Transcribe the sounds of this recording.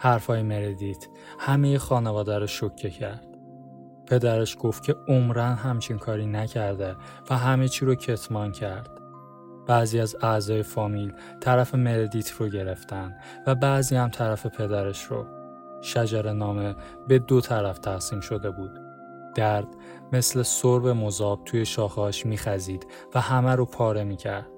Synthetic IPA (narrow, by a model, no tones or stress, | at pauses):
hæɾfɒːjeme̞ɾed̪it̪ʰ | hæmeje̞xɒːnevɒːd̪æɾoʃocʰːecʰæɾd̪̥ | pʰe̞d̪æɾeʃɡ̥oft̪̚cʰe̞omɾænɦæmt͡ʃʰinkʰɒːɾiːnæcʰæɾd̪e̞ | væɦæmet͡ʃʰiːɾocʰe̞t̪ʰmɒːncʰæɾd̪̥ | b̥æːziːæzæzɒːje̞fɒːmil | t̪ʰæɾæfe̞me̞ɾed̪iːt̪ʰroɟe̞ɾe̞ft̪ænd̪ | væbæːziːhæmt̪ʰæɾæfe̞pʰe̞d̪æɾe̞ʃɾo̰ | ʃæd͡ʒæɾenɒːme̞ | be̞d̪ot̪ʰæɾæft̪ʰæsiːmʃo̞d̪e̞buːd̪̥ | d̪̥æɾd̪̥ | me̞sle̞soɾbe̞mozɒːb̥̚t̪ʰuje̞ʃɒːxɒːʃmiːxæziːd̪̥ | væhæmæɾopʰɒːɾe̞miːcʰæɾd̪̥